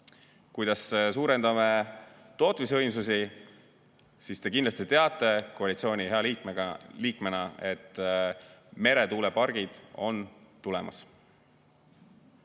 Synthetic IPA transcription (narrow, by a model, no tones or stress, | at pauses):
kujd̪̥ɑssuːɾe̞nd̪̥ɑme | t̪o̞ːt̪misɤjms̬usi | sist̪e̞kind̪lɑst̪it̪e̞ɑt̪ːˑe̞koɑlit̪sio̞ːnʲiheɑliːkmeliːkme̞nɑe̞t̪ːˑ | me̞ɾe̞t̪uːlepɑrɡ̥id̪̥o̞nt̪ulɛmɑ̰s